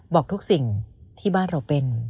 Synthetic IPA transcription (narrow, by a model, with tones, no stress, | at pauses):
bɔː˨˩k̚t̪ʰu˦˥k̚si˨˩ŋt̪ʰiː˥˩baː˥˩nɾa˧wpe˧n